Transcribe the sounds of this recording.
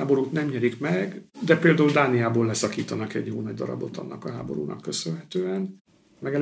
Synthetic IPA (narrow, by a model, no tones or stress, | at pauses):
aːbo̞ɾuːt̪nɛmɲɛɾikmɛɡd̪ɛpeːld̪aːuld̪aːnijaːboːlɛsɒkiːt̪ɒnɒkɛ̰ɟjoːlnɒɟ̚d̪ɒɾɒ̰bo̞t̪ɒ̰nːʔɒkɒɦa̰ːbo̞̰ɾṵːnɒ̰kːø̞sønɦɛt̪øːɛn | mɛɡɛl